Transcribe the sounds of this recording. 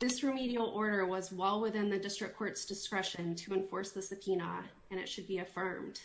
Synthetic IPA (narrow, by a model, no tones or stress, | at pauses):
ðɪsɹɨmiɾil̩ˠɔɹɾə˞wʌzwaɪlˠwɪθɪ̃nðɨdɪstɹ̥ɨkʰːɔɹtsd̥ɨskɹɛʃɨ̃ntʰɨɨ̃ɱfɔɹsðɨsɨpʰinə | ɨ̃ɾ̃ɨ̰tʃɨd̚biɨfɜ̃˞md̥